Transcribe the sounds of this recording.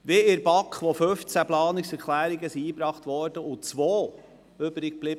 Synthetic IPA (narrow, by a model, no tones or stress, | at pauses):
ʋɪɪɾbɑkχʋoføft͡sæplɑːnɪksɛɾkʰlæːɾiɡəsiiːbɾɑːχtʋɔɾd̥əʔʊt͡sʋoː | ʏbɾɪɡ̚b̥lɪbə